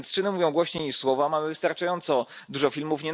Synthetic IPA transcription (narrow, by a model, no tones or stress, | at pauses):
t̪st͡ʂɘnɘmuvʲjɔ̃w̃ɡwɔɕɲɛɲiʂswɔvamamɘvɘst̪aɾt͡ʂajɔnt̪sɔ | d̪uʐɔfʲilmufɲɛ